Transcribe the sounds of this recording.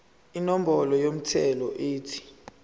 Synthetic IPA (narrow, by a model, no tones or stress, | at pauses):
inɔm̩ɓɔlɔjom̩tʰɛlɔʔiːtʰi̥